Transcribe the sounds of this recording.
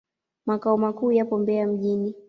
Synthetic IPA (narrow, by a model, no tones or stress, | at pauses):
makaɔmakuːjapɔmbɛam̩ʄini